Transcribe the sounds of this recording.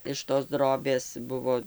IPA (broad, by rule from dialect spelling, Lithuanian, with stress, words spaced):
ɪʃ toːs ˈdroːbʲeːs ˈbʊʋoː